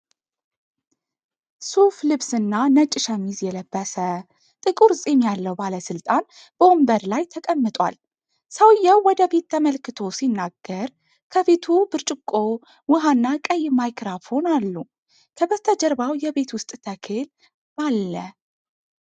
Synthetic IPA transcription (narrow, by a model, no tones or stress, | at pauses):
suflɨβsɨnːanət͡ʃʼːɪʃamizjɛləbːəsə | t̪ʼɨkʼuɾsʼemjalːəwbaləsɨlt̪ʼan | b̥əombəɾlajt̪ʰəkʼəmːɨt̪ʼwa̰l | səwjɛwwɔd̪əbe̞t̪ʰːəməlkɨt̪ʰo̞sinːaɡ̥ːəɾ | kʰəβe̞t̪ʰubɨɾt͡ʃʼɪkʼːo̞ | wɨɦanːakʼəjːmajkʰɾafho̞nalːu | kʰəbət̪ʰəd͡ʒəɾbawjɛbe̞t̪wʊst̪ʼt̪ʰəkʰel | b̥alːə